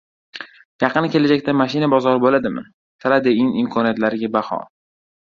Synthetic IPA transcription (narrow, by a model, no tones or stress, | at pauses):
jɑqʰɨnkʲe̞lad͡ʒak̚ʲt̪amaʃɪnabɒzɒɾɪbolad̪ɪma̰n | t̪ʰɪɾad̪eɪŋɪmkʰɒnijat̪laɾɪɡʲabahɒ̰